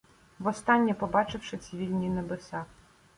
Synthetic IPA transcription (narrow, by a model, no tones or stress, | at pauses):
ʋɔst̪ɑnʲːipɔbɑt͡ʃɪwʃɪt͡sʲiʋʲilʲnʲinebesɑk